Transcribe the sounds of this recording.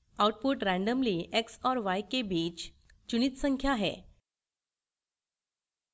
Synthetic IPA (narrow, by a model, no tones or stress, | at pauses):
awʈ̚puʈɾæ̃ɳɖəmliːʔeksɔɾʋajkebit͡ɕ | t͡ɕuñiːt̪səŋkʰjaɦḛ